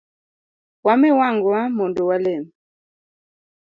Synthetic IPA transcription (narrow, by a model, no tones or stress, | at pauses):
wamɛwaŋɡwamɔndɔwalɛm